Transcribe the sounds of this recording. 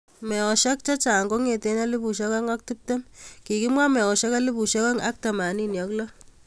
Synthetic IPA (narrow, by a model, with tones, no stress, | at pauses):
mɛ˨ɔ˨ʃa˦k̚t͡ʃa˦t͡ʃa˨ŋɡo˦ŋe˨te˦na˦li˦bu˨ʃo˦ka˦ŋa˦k̚tu˦p̚te˦mki˨ki˦mwa˦mɛ˨ɔ˨ʃa˦ka˦li˦pu˨ʃo˦ka˦ŋa˦k̚ta˨ma˨ni˦njɔ˨klɔ˦